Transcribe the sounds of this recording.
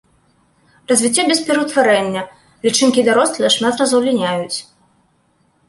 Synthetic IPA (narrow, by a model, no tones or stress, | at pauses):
rɐzʲvʲit͡sʲːabʲɛspʲɛɾɐwt̪vaɾɛnʲːɐ | lʲit͡ʂɨnkʲid̪aɾɔst̪lʲɛʂmʲat̪rɐzɐwlʲinʲajut͡sʲ